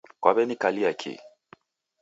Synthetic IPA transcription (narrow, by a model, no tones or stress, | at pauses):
kwaβɛnikaliakʰḭ